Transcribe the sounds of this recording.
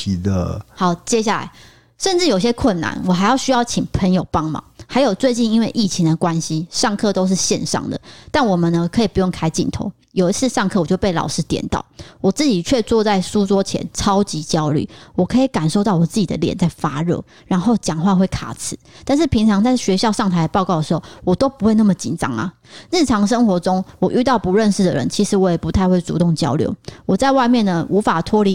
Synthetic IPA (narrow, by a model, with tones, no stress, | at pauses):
ə˨hɑ˨˩˦ʊt͡ɕjɛ˦˥ɕ̬ja˥˩la̰˨˦ɪ | ʂə˥˧nʈ͡ʂɻ̩˥˩jo˨˩ʊi˩ɕjɛ˦˥kʰwə˥˩nːa̰˨˦nwɔ˨˩a˧˥ɪjɑ˥˩ʊɕy˥jɑ˥˩ʊt͡ɕʰi˨˩ŋpʰə˧˦njo˨˩ʊpɑ˥ŋmɑ̰˨˧˦ŋxa˧˥ɪjo˨˩ʊt͡swe˥˧ɪt͡ɕi˥˧ni˥nwe˥˧ɪʔi˥˩t͡ɕʰi˧˥ŋd̪ə˨kwa˦nɕi˦ʂɑ˥˧ŋkʰɤ˥˨t̪o˥ʊʂ̬ɻ̩˥˧ɕjɛ̰˥˧nʂɑ̰˥˩ŋd̪ə̰˩t̪a˥˩nwɔ˨˩mə˨nnə˦kʰɤ˧˥i˨˩pu˧˥jo˥˩ŋkʰa˥ɪt͡ɕḭ˥˨˩nt̪ʰo̰˧˦ʊ | jo˨˩ʊi˧˥t͡sʰɹ̩˥˧ʂɑ˥˧ŋkʰɤ˥˩wɔ˨˩jo˥˧ʊpe˥˩ɪlɑ̰˨˩ʊʂɻ̩˥t̪jɛ̰˨˩nt̪ɑ̰˥˩ʊwɔ˨˩t͡sɹ̩˥˩t͡ɕi˨˩t͡ɕʰɥɛ˥˧t͡swɔ˥˧t͡sa˥˩ɪsu˦t͡swɔ˥t͡ɕʰjɛ̰˧˦nt͡sʰɑ˥ʊt͡ɕi˧˥t͡ɕjɑ˥ʊly̰˥˩wɔ˨˩kʰɤ˧˥i˨˩ka˨˩nʂo˥˧ʊt̪ɑ˥˩ʊwɔ˨˩t͡sɹ̩˥˩t͡ɕi˨d̪ə̰˦ljɛ̰˨˩˦nt͡sa˥˩ɪfa˥ɻɤ̰˥˧˦ | ɻa˧˥nxo˥˩ʊt͡ɕjɑ˨˩ŋxwa˥˧nxwe˥˩ɪkʰa̰˨˩t͡s̩ʰ˨˦t̪a˥˧nʂ̬ɻ̩˥˩pʰi˧˥ŋt͡sʰɑ˧˥ŋt͡sa˥˩ɪɕɥɛ˧˥ɕjɑ˥˧ʊʂɑ˥˩ŋt̪ʰa˧ɪd̪ə˩pɑ˥˧ʊkɑ˥ʊd̪ə˩ʂ̩˧xo˥˩ʊwɔ˨˩t̪o˥ʊpu˧˦xwe˥˧ɪna˥˩mə˨˩t͡ɕḭ˨˩nʈ͡ʂɑ̰˥ŋa̰˨ | ɻ̩˥˩ʈ͡ʂʰɑ˧˥ŋʂ̬ə˥ŋxwɔ˧˥t͡sʊ˥ŋwɔ˨˩ʔy˥˧t̪ɑ˥˩ʊpu˧˥ɻə˥˧nʂ̩˥˩d̪ə̰˨˩ɻə̰˧˦nt͡ɕʰi˧˥ʂɻ̩˧˥˦wɔ˧˥jɛ˨˩pu˧˥t̪ʰa˥˧ɪwe˥˩ɪt͡sṵ˧˥t̪ʊ˥˩ŋt͡ɕjɑ̰˥ʊljo̰˧˥ʊwɔ˨˩t͡sa˥˧ɪwa˥˧ɪmjɛ˥˨˩nnə˩u˧˥fa˨˩t̪ʰwɔ˥li˧˥